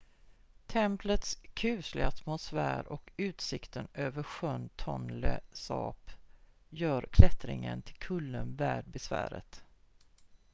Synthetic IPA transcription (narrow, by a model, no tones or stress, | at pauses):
t̪ʰɛmplət̪skʰʉ̟ːslɪat̪mʊsfæːɾɔkʉ̟ːt̪sɪkt̪ənøːvəɾɧœnt̪ʰɔnləsɑ̰ːp | jœːɾkʰlɛt̪ɾɪ̰ŋənt̪ʰɪ̥lkʰɵlːənvæːɖ̚bɛsvæ̰ːɾə̰t̪